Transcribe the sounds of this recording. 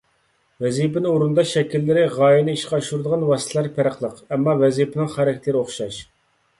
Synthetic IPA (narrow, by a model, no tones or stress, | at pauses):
vɛzipɪnɪoɾund̪ɑʃɛkʲilːɪɾɪʁɑːjinɪiʃqɑɑʃuɾd̪əʁɑnwɑːst̪ʰlæɾpʰæɾəqlˠəqɛmːɑvɛzipʰɪnɪŋχæɾɛkʰʲɛt̪lɪɾɨoχʃɑʃ